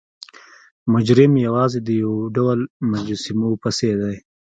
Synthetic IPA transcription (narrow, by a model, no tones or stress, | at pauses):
mʊd͡ʒɾɪmjawɑːzed̪əjawɖawlmad͡ʒsimopased̪aj